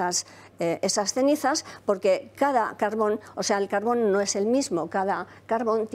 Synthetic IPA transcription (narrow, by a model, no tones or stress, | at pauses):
as | ʔesast̪e̞niθaspo̞ɾke̞kaða̰kaɾβo̞no̞se̞aelkaɾβ̞o̞nːo̞e̞se̞lmizmo̞kaðakaɾβo̞nt̪